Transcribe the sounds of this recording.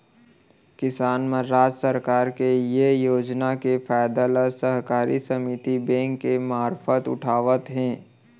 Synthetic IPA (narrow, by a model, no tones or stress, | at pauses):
kɪsaːnmẽɾaːd͡ʒsəɾkaːɾkejejoːd͡ʒnakefʰaːɪd̪alasəɦkaːɾisəmit̪ibɛ̃ːŋkːemaːɾfət̪ʊ̰ʈʰaːʋət̪ɦɛ̃ː